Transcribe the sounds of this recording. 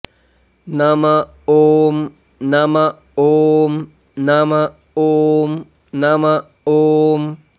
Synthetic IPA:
nama | om | nama | om | nama | om | nama | om

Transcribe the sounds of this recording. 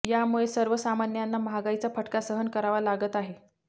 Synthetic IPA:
jamuɭesəɾʋəsamanjanːaməɦaɡajt͡sapəʈkasəɦənkəɾaʋalaɡət̪aɦe

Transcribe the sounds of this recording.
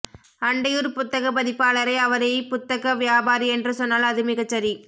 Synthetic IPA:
ɐɳɖɐjɯɾpʊt̪ːɐɣɐpɐðɪpːaːɭɐɾɐɪɐʋɐɾɐjpʊt̪ːɐɣɐʋɪjaːbaːɾiɛndrɯsɔnːaːlɐðɯmɪɣɐt͡ʃːɐɾi

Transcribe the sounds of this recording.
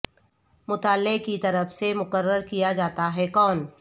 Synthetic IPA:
mʊt̪aːlːekit̪ɐɾəfsemʊqəɾːəɾkijad͡ʒaːt̪aɦɛkɔːn

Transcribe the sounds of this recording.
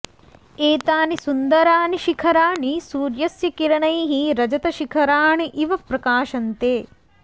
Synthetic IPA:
eːt̪aːnisund̪ɐɾaːniʃikʰɐɾaːɳisuːɾjɐsjɐkiɾɐɳɐjɦiɾɐd͡ʒɐt̪ɐʃikʰɐɾaːɳiʔiʋɐpɾɐkaːʃɐnt̪eː

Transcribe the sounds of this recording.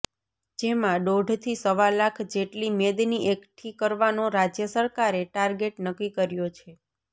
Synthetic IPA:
d͡ʒemãɖoɖʱt̪ʰisəʋalːakʰd͡ʒeʈlimed̪niʔekʈʰikəɾʋanoɾad͡ʒjəsəɾkaɾeʈaɾɡeʈnəkːikəɾjot͡ʃʰe

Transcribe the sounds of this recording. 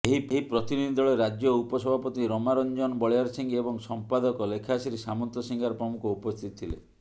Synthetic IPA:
eɦieɦipɾɔt̪inid̪ʱid̪ʱɔɭeɾad͡ʒjɔupɔsɔbʱapɔt̪iɾɔmaɾɔnd͡ʒɔnbɔɭjaɾsiŋɡebɔŋsɔmpad̪ɔkɔlekʰasiɾisamɔnt̪ɔsiŋɡaɾɔpɾɔmukɔupɔst̪ʰit̪ɔ̥t̪ʰilḛ

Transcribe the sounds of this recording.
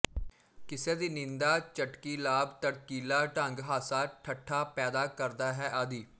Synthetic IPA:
kɪseːd̪iːnɪ̃nd̪aːt͡ʃəʈkiːlaːbt̪əɽkiːlaːʈə̃ŋɡɦaːsaːʈʰəʈʰːaːpɛːd̪aːkəɾd̪aːɦɛːʔəd̪iː

